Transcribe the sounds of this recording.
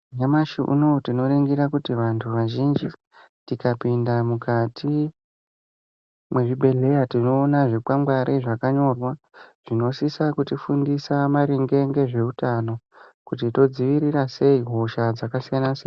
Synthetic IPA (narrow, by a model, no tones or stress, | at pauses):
ɲamaʃiʔṵno̞tino̞ɾeŋɡiɾakutiʋantʰuʋaʒind͡ʒi | tikapindamukatʰi | mwe̞ʐiɓe̞ɮe̞jatino̞ːnaʐikwaŋɡwaɾʔeʐakaɲo̞rwa | ʐ̥ino̞sisakutifundisamaɾiŋɡe̞ŋɡe̞ʐe̞utano̞ | kutito̞d͡ziʋiɾirase̞iɦo̞ʃad͡zakasijanase